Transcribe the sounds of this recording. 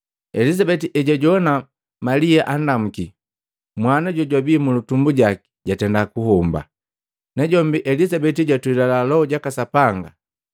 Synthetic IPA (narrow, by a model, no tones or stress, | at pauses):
ɛlizabɛtiʔɛɟaɟɔna | maliaʔandam̩ki | mwanaɟɔɟwabiːmulutumbuɟaki̥ɟatɛndakuɦɔmba̰ | nɛɟɔmbiʔɛlisabɛt̬iɟatuilalalɔɔɟakasapaŋɡa̰